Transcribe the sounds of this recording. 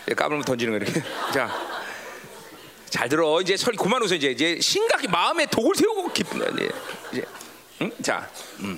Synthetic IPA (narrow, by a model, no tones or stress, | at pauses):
ek͈a̰bɯɭmʌtʌnd͡ʑinɯŋɡʌiɾʌkʰet͡ɕa | t͡ɕaɭtɯɾʌind͡ʑe̞sʰʌikomanos̬ʰʌind͡ʑe̞ind͡ʑe̞ɕʰinɡaɡʰimaɯme̞toɡɯɭsʰeuɡkep͈ʰɯno̰ḭnd͡ʑḛid͡ʑe̞̰ | t͡ɕa̰ɯm